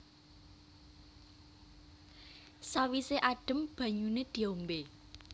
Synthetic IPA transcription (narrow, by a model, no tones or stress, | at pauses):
sawiseʔaɖ̥ə̤mb̥ä̤ɲuned̪̥i̤ombe